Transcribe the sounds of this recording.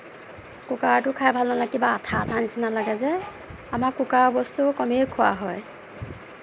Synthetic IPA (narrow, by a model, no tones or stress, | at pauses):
kukaɹtʊkʰajbʱalnɔlakibaːtʰaːtʰanisɛnalaɡɛzɛ | amakkːukaɹbɔstukɔmekʰʊwa̰ɦɔj